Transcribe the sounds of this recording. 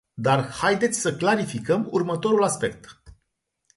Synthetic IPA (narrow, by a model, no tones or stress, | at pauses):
d̪arhajd̪e̞t̪sʲsəklaɾifikəmṵrmət̪o̞ɾulaspe̞k̚t̪